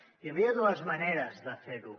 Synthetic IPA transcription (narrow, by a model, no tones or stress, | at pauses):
jəβiəðuəzməneɾəzðəfeɾu